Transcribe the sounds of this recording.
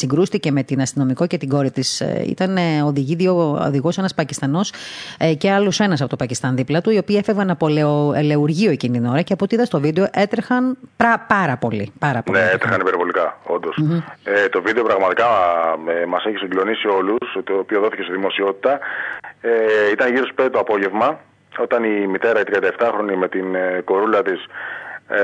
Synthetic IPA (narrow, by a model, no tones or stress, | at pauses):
siŋɡɾust̪ice̞me̞t̪inɐst̪ino̞miko̞ce̞t̪iɡo̞ɾit̪isḭt̪ɐnoðiʝiðioo̰ðiɣo̞se̞nɐspɐcist̪ɐno̞sceɐlusoe̞nɐs̬ɐpo̞t̪opɐcist̪ɐnðiplɐt̪uio̞piːefevɐɐpoleeleuɾʝio̞e̞cint̪ino̞ɾɐceɐpoot̪iiðɐst̪o̞vid̪e̞o̞ʔe̞t̪ɾexɐnpɾɐpɐɾɐpo̞lipɐɾɐponeet̪ɾexɐnipeɾvo̞likɐo̞nd̪o̞set̪o̞vid̪eo̞pɾɐɣmɐt̪ikɐemɐseçisiŋɡlo̞nisio̞lust̪oːpio̞ðo̞θice̞st̪iðimo̞sio̞t̪i̥t̪ɐ | eit̪ɐnʝiɾo̞sped̪et̪oɐpo̞ʝe̞vmɐ | o̞t̪ɐnimit̪e̞ɾɐit̪ɾiɐnd̪ɐeft̪ɐxɾo̞nime̞t̪inko̞ɾulɐt̪is